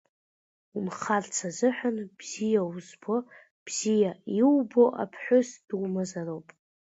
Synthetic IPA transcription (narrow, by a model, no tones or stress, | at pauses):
umχart͡sʰazɨħʷᶣanb̥z̥ijauzbo̞ | b̥z̥ijaiwbo̞ʔa̰pʰħʷʊsd̥uwmazarowpʼ